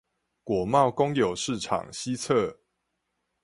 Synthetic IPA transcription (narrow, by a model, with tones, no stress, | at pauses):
kwɔ˨˩mɑ˥˨ʊkʊ˦ŋjo˨˩ʊʂɻ̩˥˨ʈ͡ʂʰɑ̰˨˩ŋɕi˦t͡sʰə˥˨